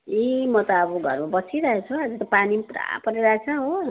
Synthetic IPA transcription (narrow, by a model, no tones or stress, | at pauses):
imʌt̪ʌːbuɡʱʌ̰rmabʌsʰiɾʌɦet͡sʰuad͡zut̪ʌpanipɾa̰pʌɾiɾaɦet͡sʰʌɦo